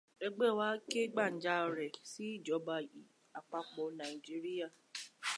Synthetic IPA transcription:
ɛ˧ɡ͡bɛ˦˨wa˦ke˦ɡ͡ba˦˨n̩˨˦d͡ʒa˦ɔ˧ɾɛ˨si˦i˦˨d͡ʒɔ˨˦ba˧i˨ | a˨k͡pa˧k͡pɔ˧nã˨i˨d͡ʒi˦ɾi˦ja˦˨

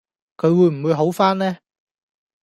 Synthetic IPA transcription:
kʰɵ˨˧ɥwuː˨˧jm̩˨˩wu˨˧jɦo˨˥wfaː˥nlɛː˥

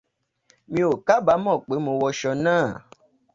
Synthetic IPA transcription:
mĩ˦o˨ka˦ba˨˦mɔ̃˦˨k͡pe˨˦mõ˨wɔ˧ʃɔ˧nãː˦˨

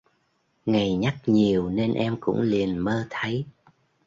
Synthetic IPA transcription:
ŋa˨˩jɲa˦˥k̚ɲi˨˩əwne˧nʔɛ˧mkʊ̰˧˥ŋ͡mli˨˩ənməː˧t̪ʰə˨˦j

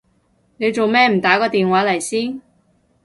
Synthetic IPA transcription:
ne˨˧jt͡so˨wmɛː˥m̩˨˩t̪aː˨˥kɔː˧t̪iː˨nwaː˨˥lɐ˨˩jsiː˥n

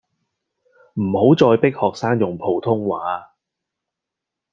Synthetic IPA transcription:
m̩˨˩ho˨˥wt͡sɔː˧jpɪ˥k̚hɔː˨k̚saː˥ŋjʊ˨˩ŋpʰo˨˩wt̪ʰʊ˥ŋwaː˨˥˦

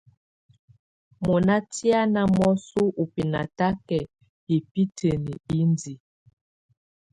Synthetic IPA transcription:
mo˨na˦ti˦a˦na˦mɔ˦su˦ʔu˨pi˨na̰˨ta˦kɛ˨ | i˨pi˦tʰe˨nḭ˨i˦ndi˨

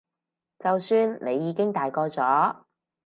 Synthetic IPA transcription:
t͡sɐ˨wsyː˧nnʔe˨˧jːiː˨˧kɪ˥ŋt̪aː˨jkɔː˧t͡sɔː˨˥

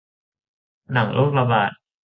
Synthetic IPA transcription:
na˩˦ŋlʔo˥˩k̚ɾa˧baː˨˩t̪̚

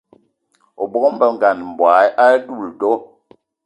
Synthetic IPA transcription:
ɔ˨bɔ˦km̩˦bə˦ŋ̩˨ɡa˨n˨m̩˨bwa˨˦jʔa˦du˦˨ldɔ˦

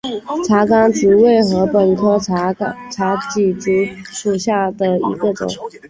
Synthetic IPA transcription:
ʈ͡ʂʰa˧˥ka˥ŋʈ͡ʂ̩˧˥we˥˩ɪxɤ˧˥pə˨˩nkʰɤ˥ | ʈ͡ʂʰa˧˥t͡ɕi˨˩ʈ͡ʂu˧˥ʂu˨˩ɕja˥˩d̪ə˩ḭ˧˥ɡə˧ʈ͡ʂʊ̰˨˩˦ŋ

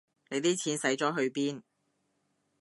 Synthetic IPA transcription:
ne˨˧jt̪iː˥t͡sʰiː˨˥nsɐ˨˥jt͡ʃɔː˨˥ɦɵ˨˧ɥpiː˥n

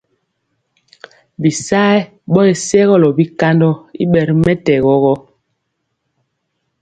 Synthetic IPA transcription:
bi˨sa˦j | ɓɔ˦e˨sɛ˦ɣɔ˦lɔ˨bi˦ka˦ndɔ˦ḭ˦ɓɛ˨ɾmɛ˦tɛ˨ɣɔ˦ɣɔ˦

